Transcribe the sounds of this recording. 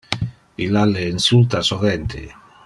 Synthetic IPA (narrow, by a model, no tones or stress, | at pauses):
ilaleːnsult̪asoɣent̪ḛ